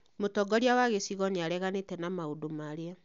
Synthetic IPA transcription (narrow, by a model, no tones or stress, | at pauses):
motɔɡɔɾiawaɣesiɣɔneaɾɛɣanetɛnamaodomaɾea